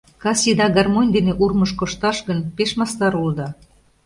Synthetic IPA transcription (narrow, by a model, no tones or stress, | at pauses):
kɑsid̪ɑɡɑrmonʲd̪eneʔurməʃkoʃt̪ɑʃɣənpeʃmɑst̪ɑɾuld̪ɑ